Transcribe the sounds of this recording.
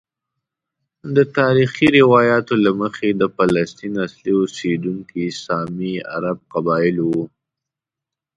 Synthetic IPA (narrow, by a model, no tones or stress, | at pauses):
d̪ət̪ɑɾixiɾɪwɑjɑt̪olaməxed̪əfalast̪inasliosed̪uŋkisɑmia̰ɾab̚qabɑjɪlwu